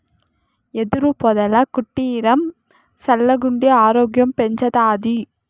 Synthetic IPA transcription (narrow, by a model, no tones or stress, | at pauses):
ɛðɪɾɯpɔðɐlɐkʊʈːijɪɾɐm | sɐlːɐɡʊɳɖiaːɾoːɡjɐmpɛɲd͡ʒɐðaːði